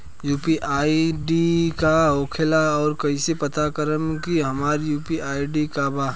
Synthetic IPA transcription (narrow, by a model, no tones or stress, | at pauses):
juːpiʔaːiɖikaɦoːkʰelaɔːɾkɐisepət̪akəɾəmkiɦɐmaːɾjuːpiʔaːiɖikaba